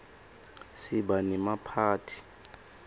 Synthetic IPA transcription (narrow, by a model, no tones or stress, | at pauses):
sibanimapʰaːtʰi̥